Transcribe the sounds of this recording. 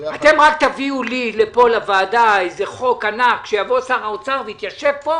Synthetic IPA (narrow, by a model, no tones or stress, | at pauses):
at̪e̞mʁakt̪aviulilepo̞lavaːd̪aejzeχo̞kanakʃejavo̞saʁaot͡saʁveit̪jaʃevbo̞